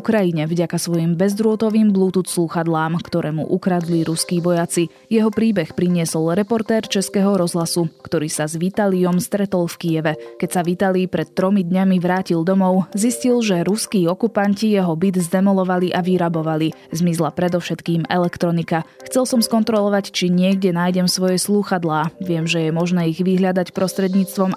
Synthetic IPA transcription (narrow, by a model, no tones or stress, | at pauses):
ukɾajiɲɛvɟakasʋɔjimbɛzd̪ɾʊɔt̪ɔʋiːmbluːt̪usluxad̪laːmkt̪ɔɾʔɛːmṵʔukɾad̪liɾuskiːʋɔjat͡si | jɛɦɔpɾiːbɛxpɾiɲɪɛsɔlɾɛpɔɾt̪ɛːɾt͡ʃɛskɛɦɔɾɔzɦlasukt̪ɔɾiːsazʋit̪aliɔmst̪ɾɛt̪ɔlfkijɛʋɛkɛcsaʋit̪alipɾɛt̪ːɾɔmid̪ɲamiʋɾaːcild̪ɔmɔʊziscilʒɛɾuskiːɔkupancijɛɦɔbid̪zd̪ɛmɔlɔʋaliʔaʋiɾabɔʋalizmizlapɾɛd̪ɔfʃɛt̪kiːmɛlɛkt̪ɾɔnikaxt͡sɛlsɔmskɔnt̪ɾɔlɔʋact͡ʃiɲɪɛɡɟɛnaːjɟɛmsʋɔjɛsluːxad̪laːʋɪɛmʒɛjɛmɔʒnɛːiɣʋiɦʎad̪acpɾɔst̪ɾɛd̪ɲiːt͡st̪ʋɔm